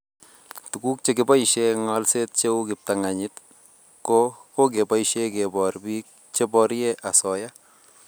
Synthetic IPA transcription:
tu˨ku˦k̚t͡ʃe˦kɪ˨ba˦iʃeŋɔ˦lse˦t̚t͡ʃe˦u˦kɪ˨p̚ta˨ŋa˨ɲɪt | ko˦ko˦k̬e˨ba˦iʃe˦ke˨bɔ˨rbi˦k̚ | t͡ʃe˦bɔɾje˦ʔa˨sɔ˨ja˦

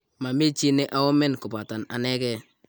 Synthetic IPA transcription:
ma˨me˦t͡ʃi˦ne˦ʔa˦wo˦me˦nku˨ba˨ta˨na̰˨ne˦kɛ˦

